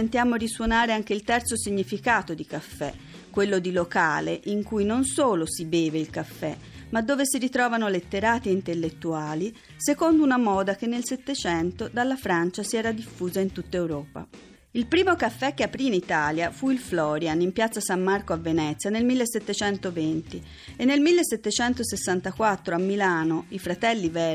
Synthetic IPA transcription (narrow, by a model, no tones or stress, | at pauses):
ent̪jaːmoriswonaːɾeaŋk̟eilt̪ɛrt̪sosiɲːifikaːt̪od̪ikafːɛ̰ | kːwelːod̪iloka̰ːleʔiŋkujnonsoːlosibeːveilkafːɛ̰ | mad̪ːoːvesirit̪ɾɔːvanolet̪ːeɾaːt̪iint̪elːet̪ːuaːli | sekond̪ounamɔːd̪ak̟enːelset̪ːet͡ʃɛnt̪od̪alːafɾant͡ʃasiɛːɾad̪ifːuːzaint̪ut̪ːaewɾɔːpa̰ | ilpɾiːmokafːɛk̟ːeapːɾiːnit̪aːljafuilflɔːɾjanimpjat̪sasamːarkoavenɛt̪sjanelmilːeset̪ːet͡ʃɛnt̪ovent̪i | enːelmilːesːet̪ːet͡ʃɛnt̪osesːant̪akwat̪ːɾoamːilaːnoifɾat̪ɛlːivɛː